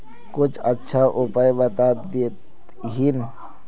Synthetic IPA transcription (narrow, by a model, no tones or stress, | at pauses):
kʊt͡ʃʰɐtːʃʰaʔʊpajbət̪aːd̪it̪ | ɦin